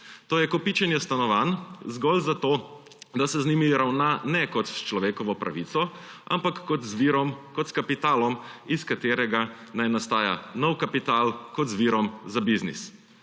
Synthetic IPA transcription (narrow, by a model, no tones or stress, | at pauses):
t̪oːjɛkɔpit͡ʃɛnjɛst̪anɔʋanzɡɔlzat̪oː | d̪asɛzniːmiɾawnanɛkɔt̪st͡ʃlɔʋeːkɔʋɔpɾa̰ʋit̪sɔ | ʔa̰mpakːɔt̪zʋiɾɔmkɔt̪skapit̪aːlɔmiskat̪eːɾɛɡanajnast̪aːja̰nɔwkapit̪aːlkɔt̪zʋiɾɔmzabiznḭs